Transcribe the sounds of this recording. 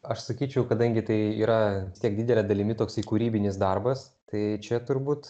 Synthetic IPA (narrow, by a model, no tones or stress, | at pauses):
ɐʃsɐkʲiːt͡ʃʲɛʊkɐd̪ɐŋʲɡʲɪt̪ɐɪiːɾɐɪst̪ʲiɛk̚d̪ʲid̪ʲɛlʲɛd̪ɐlʲɪmʲɪt̪oːksɪkuːɾʲiːbʲɪnʲɪsd̪ɐrbɐs | t̪ɐɪt͡ʃʲɛt̪ʊɾbuːt̪